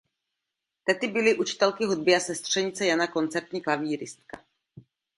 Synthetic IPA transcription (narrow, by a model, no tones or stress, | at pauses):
t̪ɛt̪ɪbɪlɪʔut͡ʃɪ̥t̪ɛlkɪɦud̪̚bɪasɛst̪r̝̥ɛɲɪt͡sɛjanako̞nt͡sɛɾt̪ɲiːklaviːɾɪst̪̚ka